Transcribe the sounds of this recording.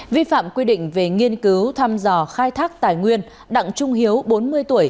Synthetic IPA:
vi˧fa̰ː˧˨mkwi˧ɗḭ̈˧˨ŋ̟ve˨˩ŋi˧ənkɨ˨˦wt̪ʰaː˧mzɔ˨˧˩xaː˧jt̪ʰaː˦˥k̚t̪aː˨˩jŋwi˧ən | ɗa̰˧˨ŋt͡ɕʊ˧ŋ͡mɦi˨˦əwɓo˨˦nmɨ˧əjt̪u˧˩əj

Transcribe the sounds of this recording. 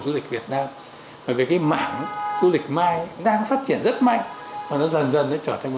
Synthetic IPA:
zu˧˦lï˨˩k̚vi˨˩ət̚naː˧m | vaː˨˩ve˨˩jkaː˨˦jma̰ː˧˨ŋ˦zu˧˦lï˨˩k̟̚maː˧jɗaː˧faː˦˥t̚t͡ɕi˧˩ənzə˦˥t̚ma̰˧˨jŋ̟maː˨˩nɔ˨˦zə˨˩nzə˨˩nːɔ˨˦t͡ɕəː˧˩t̪ʰŋm˨˩

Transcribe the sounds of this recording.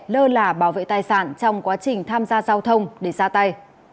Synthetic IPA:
ləː˧laː˨˩ɓaː˧˩wvḛ˧˨t̪aː˨˩jsa̰ː˧˩nt͡ɕɔ˧wŋ͡mkwaː˨˦t͡ɕï˨˩ŋ̟t̪ʰaː˧mzaː˧zaː˧wt̪ʰə˧wŋ͡mɗe˧˩zaː˧t̪a˧j

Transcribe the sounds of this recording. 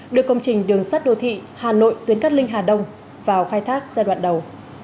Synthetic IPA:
ɗɨ˨˩əkːə˧wŋ͡mt͡ɕï˨˩ŋ̟ɗɨ˨˩əŋsaː˦˥t̚ɗo˨˩t̪ʰḭ˧˨ | haː˨˩no̰˧˨jt̪wi˨˦ənka˦˥k̚lï˧ŋ̟ɦaː˨˩ɗə˧wŋ͡m | vaː˨˩wxaː˧jt̪ʰaː˦˥k̚zaː˧ɗwa̰ː˧˨nɗə˨˩w

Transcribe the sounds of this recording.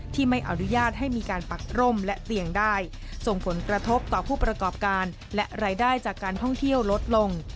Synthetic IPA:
t̪ʰiː˥˩ma˥˩jʔa˧nu˦˥jaː˥˩t̪̚ɦa˥˩jmiː˧kaː˧npa˨˩k̚ɾo˥˩mlɛ˦˥ʔt̪i˧əŋdaː˥˩j | so˨˩ŋpʰo˩˦nkɾa˧t̪ʰo˦˥p̚t̪ɔː˨˩pʰuː˥˩pɾa˧kɔː˨˩p̚kaː˧n | lɛ˦˥ʔɾaː˧jdaː˥˩jt͡ɕaː˨˩kːaː˧nt̪ʰɔ˥˩ŋt̪ʰi˥˩əwlo˦˥t̪̚lo˧ŋ

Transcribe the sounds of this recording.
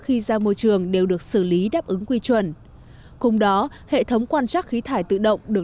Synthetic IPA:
xi˧zaː˧mo˧jt͡ɕɨ˧˩əŋɗe˨˩wɗɨ˨˩ək̚sɨ˧˩li˨˦ɗaː˦˥p̚ʔɨ˨˦ŋkwi˧t͡ɕwə˨˩n | kʊ˧ŋ͡mɗɔ˨˦ | hḛ˧˨t̪ʰə˨˦wŋ͡mkwaː˧nt͡ɕaː˦˥k̚xi˨˦t̪ʰaː˧˩jt̪ɨ̰˧˨ɗə̰˧˨wŋ͡mɗɨ˨˩ə

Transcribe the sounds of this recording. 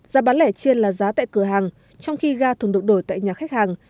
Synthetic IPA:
zaː˨˦ɓaː˨˦nlɛ˧˩t͡ɕi˧ənlaː˨˩zaː˨˦t̪a̰ː˧˨jkɨ˧˩əɦaː˨˩ŋ | t͡ɕɔ˧wŋ͡mxi˧ɣaː˧t̪ʰɨ˨˩əŋɗɨ˨˩ŋ̚ɗo˧˩jt̪a̰ː˧˨jɲaː˨˩xa˦˥k̟̚haː˨˩ŋ

